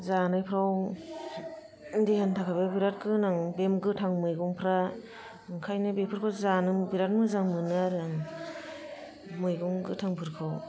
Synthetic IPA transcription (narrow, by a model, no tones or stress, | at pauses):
zanajpʰɾaw | ndehantʰakʰababiɾat̚kɯnaŋbemɡɯtʰaŋmɯjɡɔŋpʰɾa | ɯŋkʰajnɯbepʰɯɾkʰawzanɯbiɾat̚mɯzaŋmɯnaɾɯaŋ | mɯjɡɔŋɡɯtʰaŋpʰɯɾkʰɯw